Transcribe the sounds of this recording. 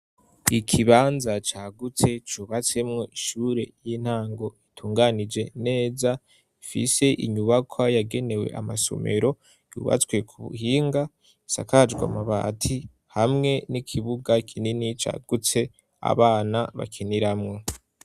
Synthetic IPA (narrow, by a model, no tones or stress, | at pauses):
ikʰiβaːnzat͡ʃaːɡut͡se̞t͡ʃuːβat͡se̞mŋo̞ʔiʃuːɾe̞jin̥haːŋɡo̞itʰuːŋɡanid͡ʒe̞ne̞ːza | ifḭse̞ʔiɲuβakwajaɡe̞ne̞we̞̰ʔamaso̞̰me̞̰ɾo̞ | jṵːβa̰t͡skwe̞kʰuβṵhiːŋɡa | isa̰kad͡ʒɡwa̰maβa̰ːtʰi | hamŋe̞nikʰiβuɡakʰininit͡ʃa̰ːɡ̥ut͡se̞ | a̰βaːnaβa̰kʰeniɾamŋo̞